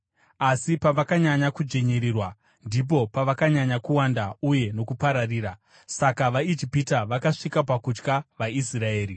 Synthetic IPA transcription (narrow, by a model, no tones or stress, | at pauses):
asipaʋakaɲaɲakud͡ʒeɲeɾiːrwa | ndip̬o̞paʋakaɲaɲakuwandauje̞no̞kupaɾariːɾa | sakaʋaid͡ʒipitaʋakaʂikapakut͡ʃkaʋaisrae̞ːri